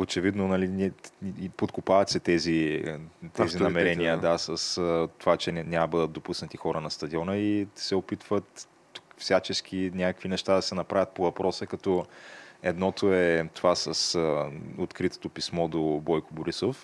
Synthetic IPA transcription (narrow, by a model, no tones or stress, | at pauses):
ot͡ʃɛvid̪nonɐlinɛpot̪kopavɐt̪ʲsɛt̪ɛzi | t̪ɛzinɐmɛɾɛnijəd̪asəst̪ovat͡ʃɛnʲamɐbɤd̪ət̪d̪opusnət̪ixɔɾənɐst̪ɐd̪iɔnəisɛopit̪vət̪ː | u̥kfsʲat͡ʃɛsk̟ʰinʲakəkvinɛʃt̪ad̪ɐsɛnɐpɾavʲjət̪̚povɐpɾɔsəkɐt̪ɔɛd̪nɔt̪ʰoɛt̪ovasəsəot̪kɾit̪o̥t̪opismɔd̪obɔjkoboɾisof